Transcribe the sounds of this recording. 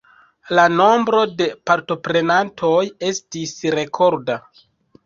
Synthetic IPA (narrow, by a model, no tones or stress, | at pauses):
lano̞mbɾo̞de̞paɾto̞pɾe̞nantʰo̞je̞stisɾe̞kʰo̞ɾda